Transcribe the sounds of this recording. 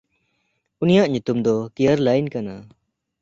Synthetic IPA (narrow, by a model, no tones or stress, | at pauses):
unijaʔɲut̪umd̪ɔkejəɾlajnkana